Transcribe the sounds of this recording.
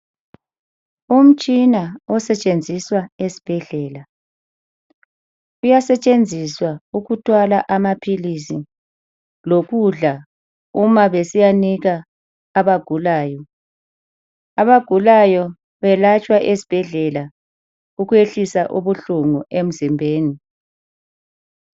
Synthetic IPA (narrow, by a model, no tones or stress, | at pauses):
um̩t͡ʃʼinaɔsɛt͡ʃʼend͡zʱiswaesi̥b̥ʱɛɮɛːla | ujasɛt͡ʃʼend͡zʱiswauɣutʰwalaʔamapʰilisi | loɣuɮa | umaβesijaniɣaː | βaɡ̥ʱulaːjɔ | aβaɡ̥ʱulajɔ | βɛlat͡ʃʼwaʔesi̥b̥ʱɛɮɛla | uɣueɬisaʔuβuɬuŋuʔem̩zimbʱeːni